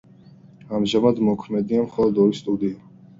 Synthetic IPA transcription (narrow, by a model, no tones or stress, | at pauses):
amʒamad̪mɔkʰmɛd̪iamχɔlˠɔd̪ɔɾist̪ʼud̪ia